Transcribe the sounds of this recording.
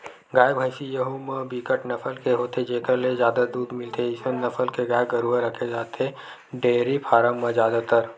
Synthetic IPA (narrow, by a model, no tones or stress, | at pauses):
ɡaːjbʱaːɪsijəɦomə̃biːkəʈnɐfʰəlkeɦoːt̪ed͡ʒeːkəɾlezjaːd̪ad̪uːd̪mɪlt̪ʰeɪsenɐfʰəlkeɡaːjɡəɾuəɾəkʰed͡ʒaːt̪e | ɖeːɾipʰaːɾəmːɐ̃zjaːd̪at̪əɾ